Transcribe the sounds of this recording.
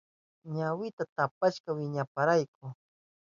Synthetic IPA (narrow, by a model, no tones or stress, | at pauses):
ɲawɪt̪at̪apaʃkawɪɲapaɾajk̚ʊ